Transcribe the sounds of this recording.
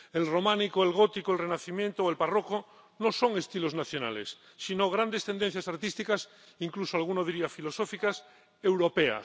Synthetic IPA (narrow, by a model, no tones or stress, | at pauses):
elromãnikoelɣot̪ikoelrenaθimjẽnt̪ooelparoko | noso̞ŋest̪iloznaθjona̰lesː | inoɣ̞ɾand̪est̪end̪ẽn̟θjasaɾt̪ist̪ikas | iŋklusoalɣ̞unoðiɾiafilosofikas | ewɾopea̰